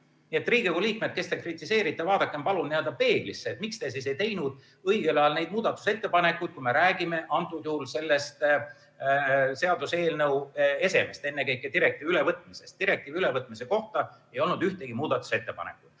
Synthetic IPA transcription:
nie̞t̪ːriːɡikuliːkmed̪̚ke̞st̪e̞krit̪ːˑise̞ːɾit̪ːˑevɑːd̪̥ɑkːˑempɑlunnield̪ɑpe̞ːɡ̥lisːeːt̪mikst̪e̞sise̞jt̪e̞jnud̪̥ | ɤijɡ̥elɑɑlne̞jd̪muːd̪̥ɑt̪ːˑu̥se̞t̪ːepɑne̞kːˑujd̪̥̚kujme̞ɾæːɡ̥ime̞ʔɑnt̪ːˑujuhulse̞lːest̪ | seɑd̪̥use̞ːlnɤwe̞se̞mest̪e̞nːekɤjkːˑed̪iɾe̞k̚t̪iːvylevɤt̪ːˑmise̞st̪iɾe̞k̚t̪ˑiːviylevɤt̪ːˑmise̞ko̞ht̪ɑe̞jo̞lnud̪yht̪e̞ɡ̥imuːd̪̥ɑt̪ːˑu̥se̞t̪ːepɑ̰nḛkːˑu̥

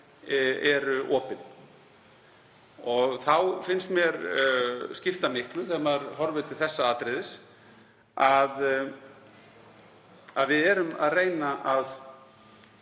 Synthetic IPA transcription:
ɛɾʏʔɔːpɪn | ɔɣθawfɪnst̪mjɛɾ | scɪft̪amɪhklʏθɛmaɾɦɔɾvʏt̪ʰɪlθɛsːaaːt̪ɾɪðɪs | að | aðvɪðɛɾʏma̰ðreːjnaʔað

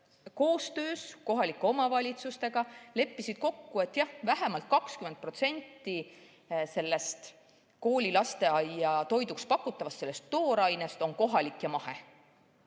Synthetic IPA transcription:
ko̞ːst̪ø̞ːsko̞ɦɑlikːeo̞mɑvɑlʲit̪sust̪e̞ɡ̥ɑle̞pːisid̪̥̚ko̞kːue̞t̪ːˑjɑhvæɦemɑlt̪̚ˑkɑkskymend̪̚pro̞t̪se̞nʲt̪ːˑi | se̞lːe̞st̪ | ko̞ːlʲilɑst̪e̞ɑjɑt̪o̞jd̪ukspɑkːˑut̪ːˑɑvɑst̪se̞lːe̞st̪ːo̞ːɾɑjne̞st̪o̞nko̞ɦɑlikːjɑmɑhe̞̰

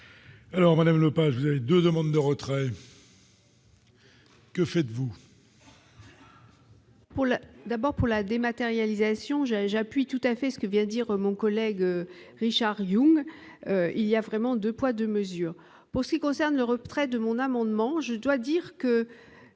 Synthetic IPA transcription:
alɔʁmad̪amlopaʒvuzaved̪ød̪əmɑ̃d̪d̪əʁət̪χɛ | kəfɛt̪vu | puʁld̪abɔʁpuʁlad̪emat̪eʁjalizasjɔ̃ʒʒapɥit̪ut̪afɛsə̥kəvjɛ̃d̪iʁmɔ̃kɔlɛɡøʁiʃaʁjũŋ | øiliavʁɛmɑ̃d̪øpwad̪əməzyːʁ | puʁsə̥kʲikɔ̃sɛʁnləʁət̪χɛd̪əmɔ̃namɑ̃d̪mɑ̃ʒəd̪wad̪iʁkə

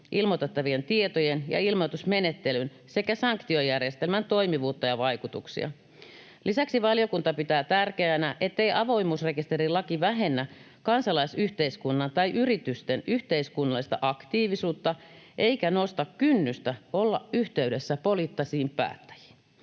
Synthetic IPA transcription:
ʔilmot̪et̪ːɑʋient̪iet̪ojenjɑ̰ilmot̪usmenet̪ːelyn | se̞kæsɑŋkt̪iojærjest̪elmænt̪o̞imiʋuːt̪ːɑjɑʋɑikut̪uksḭɑ̰ | lisæksiʋɑljo̞kunt̪ɑpit̪æːt̪ærkeænæʔe̞t̪ːe̞jʔɑʋo̞imuːsre̞kist̪erilɑkiʋæɦe̞nːæ | kɑnsɑlɑisyht̪eiskunːɑnt̪ɑjʔyrit̪yst̪enyht̪e̞iskunːɑlːˑist̪ɑ̰ʔɑkt̪iːʋisuːt̪ːɑʔe̞ikæno̞st̪ɑkkynːyst̪æolːɑ̰ʔyht̪e̞ydesːæpolit̪ːɑsiːmpæ̰ːt̪ːæ̥ji̥ːn

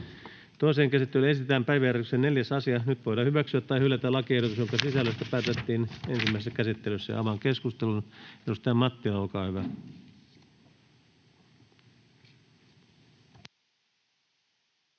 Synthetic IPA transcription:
t̪oiseːŋkæsit̪ːelyenst̪æːmpæiʋæjærk̪yksenneljæsɑsiɑnyt̪ʋojdɑhyʋæksyæt̪t̪ːɑihylːæt̪ælɑkiehɾut̪usjoŋkɑsisælːæst̪æpæːt̪et̪ːiːnensimːæˑisesːkæsit̪ːelysːæ̰j̰ɑ̰ʋɑŋkeskust̪elunedust̪ɑjɑmɑt̪ːilɑolkɑːhyʋæ

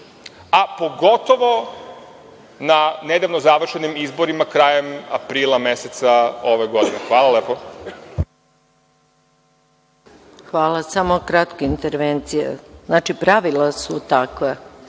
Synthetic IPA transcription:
apo̞ɡo̞t̪oʋo | naned̪aʋnozaʋr̩ʃenimizboɾimakɾaːjema̰pɾiːlˠameset̪saoʋeɡo̞d̪inexʋaːlˠaleːpo | xʋaːlˠasamokɾat̪keint̪eɾʋent̪sijḛznaːt͡ʃipɾaʋilˠasut̪akʋe

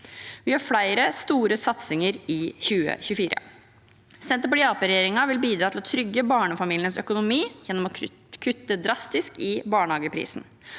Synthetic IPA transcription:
ʋɪhɑɾfɽæɪɾəst̪uːɾəsɑt̪sɪŋəɾɪçʉːə̰çʉːfiːɾə̰ | sɛnt̪əpɛlɪɑːpəɾɛjeːɾɪŋɑʋɪlbiːd̪ɾɑːt̪ɪlɔt̪ʰɾʏɡːəbɑːɳəfɑmiːlɪənsœkʊnʊmiːjɛnːɔmɔ | kʰʉt̪ːəd̪ɾɑst̪ɪskɪbɑːɳəhɑːɡəpʰɾḭːsn

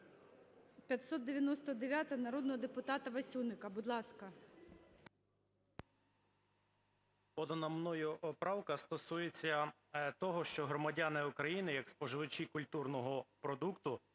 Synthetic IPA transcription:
pʲjɐt̪sɔt̪̚d̪eʋʲjɐnɔst̪ɔd̪eʋʲjat̪ɐnɐɾɔd̪nɔɦɔd̪epʊt̪ɑt̪ɐʋɐsʲunɪkɐbʊd̪lˠɑskɐ | pɔd̪ɔnɐmnɔjʊʔɔpɾɑwkɐst̪ɔsujet͡sʲːɐ | t̪ɔɦɔʃt͡ʃɔɦɾɔmɐdʲanɪukɾɐjinɪjɐkspɔʒɪʋɪt͡ʃʲikʊlʲt̪urnɔɦɔpɾɔd̪ukt̪ʊ

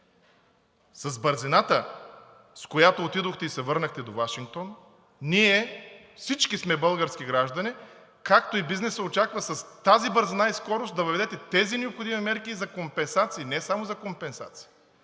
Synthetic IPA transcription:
sɐzbəɾzinat̪ə | skojat̪oːt̪id̪oxt̪ɛisɛvɤɾnəxt̪ɛd̪ovaʃiŋk̚t̪on | niɛfsit͡ʃkismɛbɤlˠɡəɾsk̟iɡɾaʒd̪ɐni | kakt̪oibiznɛsəot͡ʃakvɐsɐst̪azibəɾzinaiskɔɾost̪d̪ɐvəvɛd̪ɛt̪ɛt̪ɛzinɛopxod̪imimɛɾkizɐkompɛnsat̪siːnɛsamozɐkompɛnsa̰t̪si̥i

